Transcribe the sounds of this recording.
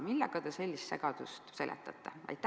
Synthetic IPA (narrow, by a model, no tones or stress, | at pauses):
milːɑkɑd̪̥eselʲːist̪sḛɡ̥ɑd̪̥ust̪se̞lʔḛt̪ˑːɑt̪ˑːɑɑ̰jt̪ːˑæ